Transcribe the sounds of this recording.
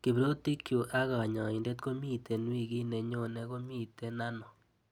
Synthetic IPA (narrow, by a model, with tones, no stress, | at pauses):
ki˨bɾo˦ti˦kjo˨ʔa˦ɣa˨ɲɔ˨i˨nde˦tko˦mi˦tʰe˨nwi˦˨ɣi˦ne˨ɲo˦˨ne˦ɣo˦mi˦˨te˦na˦nɔ˨